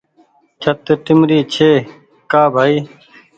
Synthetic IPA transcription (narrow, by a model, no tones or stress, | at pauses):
t͡ʃʰət̪ʈɪmɾiːt͡ʃʰeː | kaːbʱaːiː